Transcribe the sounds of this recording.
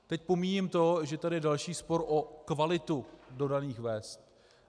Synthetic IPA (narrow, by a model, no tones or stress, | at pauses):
t̪ɛc̚po̞miːɲɪmt̪o̞ʒɛt̪adɪjɛdalʃiːspo̞ɾʔokvalɪt̪udo̞daniːxvɛːst̪